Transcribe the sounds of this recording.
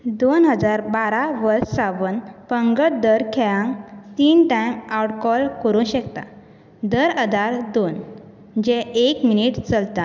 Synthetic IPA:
d̪onɦəd͡zaɾbaɾaʋəɾssaʋənpəŋɡəʈd̪əɾkʰɛjãŋt̪iːnʈajmawʈkɔlkəɾũɕəkt̪a̰ | d̪əɾəd̪ʱaɾd̪on | d͡ʑɛ̃ʔekminiʈt͡səlt̪a

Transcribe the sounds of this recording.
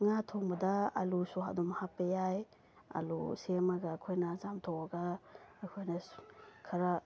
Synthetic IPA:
ŋatʰoŋbɐdɐa̰lusoɦa̰dɔmhapːɐjaj | ɐ̰lṵsemaɡaːkʰojnɐzamtʰowaɡaːkʰojnɐkʰaɾa

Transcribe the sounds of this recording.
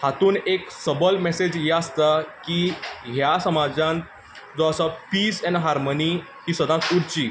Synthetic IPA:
hat̪uːneksəbəlmɛsed͡ʑjeast̪akiːɦjasəmad͡zãnt̪ | d͡zoasapiːsɛ̃nɦaɾmoni | kiːsəd̪ãkuɾt͡ɕiː

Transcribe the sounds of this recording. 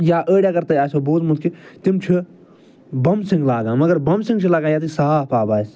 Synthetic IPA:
jaːʔəːɽʲaːɡɐɾt̪ɐːaːsoːboːzmut̪̚kʰit̪imt͡ʃʰi | bɐmsiŋɡlaːɡãːmɐɡɐɾbɐmsĩŋɡt͡ʃʰilaːɡãːjaːt̪̬isaaːpaːbaːs

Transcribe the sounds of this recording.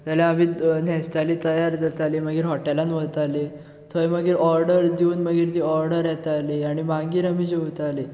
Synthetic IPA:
t̪aljaamiːnɛ̃st̪alit̪əjaɾd͡zat̪aliməɡiːɾɦɔʈelanʋət̪ale | t̪ʰojməɡiːɾɔɾɖəɾd̪iuːnməɡiːɾt̪iːɔɾɖəɾjɛt̪aliaɽ̃imãɡiːɾamiːd͡ʑeʋt̪ali

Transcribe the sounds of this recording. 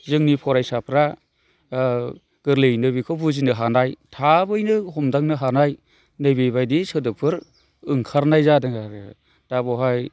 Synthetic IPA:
zɯŋnipʰɔɾajsapʰɾa | ɡ̥ɯɾlɯjnɯbikʰɔbuzinɯɦanajtʰabɯjnɯɦɔmdaŋnɯɦanaj | nɯjbɯjbajdisɯdɯpʰɯɾ | ɯŋkʰaɾnajzadɯŋa | d̥abɔɦaj

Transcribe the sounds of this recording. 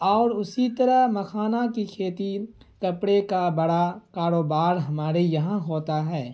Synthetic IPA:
ɔːɾʊsit̪ɐɾəɦmɐkʰaːnakikʰeːt̪i | kɐpɽekabɐɽakaːɾoːbaːɾɦɐmaːɾejɐɦãɦoːt̪aɦɛː

